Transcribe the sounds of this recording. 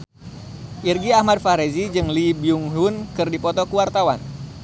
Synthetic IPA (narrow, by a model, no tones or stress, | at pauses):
ʔirɡiahmad̚faɾezid͡ʒɨŋlibiuŋɦunkɨrdipɔt̪ɔkuwart̪awan